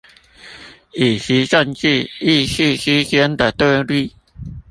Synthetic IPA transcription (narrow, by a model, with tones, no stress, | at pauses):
i˨˩ɕi˧˦ɕə˥˧nt͡ɕi˥˧i˥˧ɕi˥˧ɕi˥˦ɕjɛ˧˥nt̪ə˨t̪we˥˧li˥˩